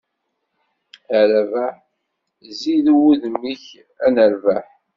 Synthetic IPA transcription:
æɾævæħ | ziðuwuðmːiç | ænəɾvæħ

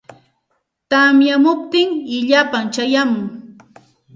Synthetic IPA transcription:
t̪amjamʊp̚t̪ɪŋɪʎapaŋt͡ʃajamʊŋ

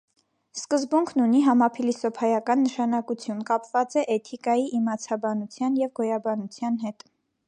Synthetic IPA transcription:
skəzbuŋkʰnuniɦɑmɑpʰilisɔpʰɑjɑkɑnːəʃɑnɑkut͡sʰjunkɑpvɑt͡sɛʔɛt̪ʰikɑjiʔimɑt͡sʰɑbɑnut͡sʰjɑnjɛvɡɔjɑbɑnut͡sʰjɑnɦɛt̪

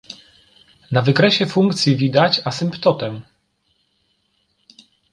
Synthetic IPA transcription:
navɘkɾɛɕɛfuŋkt̪sʲjivʲid̪at͡ɕasɘmpt̪ɔt̪ɛm

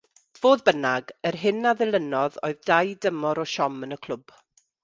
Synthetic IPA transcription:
v̥oːðbənaɡərɦɪnaðɪlˠənɔðo̰ɨðdajdəmɔɾɔʃɔmənəkʰl̥ˠʊb̥

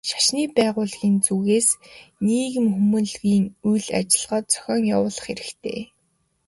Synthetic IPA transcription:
ʃḁʃniːpæːʁʊːɮɣiːnt͡suːɣeːsniːɣɘ̆mxumɵ̆nɮɣiːŋujɮa̰t͡ɕɪ̆ɮʁɔːt̪̚t͡sʰœ̥xʲɔːŋjawʊːɮə̆χeɾɘ̆xt̪ʰḛː

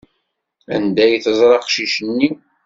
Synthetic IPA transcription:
æ̰nd̪æjθəzˤɾˤɑqʃiʃənːi

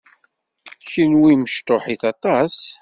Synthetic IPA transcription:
çinwiməʃt̪oħiθɑt̪ˤɑs

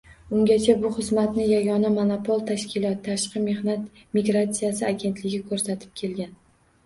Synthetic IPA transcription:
ʊŋɡʲat͡ʃʰabʊχɨzmat̪nɪjaɡʲɒnamonopʰolˠt̪ʰaʃkʲɪlɒt̪ːʰaʃqɨme̞hnat̪ | miɡɾat̪sijasɪaɡʲe̞nt̪lɪɡʲɪkʰɵɾsat̪ʰɪ̥p̚kʲʰe̞lɡʲan

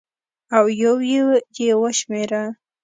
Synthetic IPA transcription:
awjawjejewaʃmeɾa

